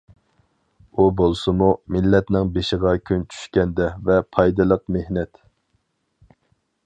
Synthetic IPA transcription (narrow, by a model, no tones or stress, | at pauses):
ubolˠsɨmumɪlːɛt̪nɪŋbeʃɪʁɑkʲʰynt͡ʃʰy̥ʃkʲɛnd̪ɛvɛpʰɑjd̪ɨlˠəq̚mehnɛt̪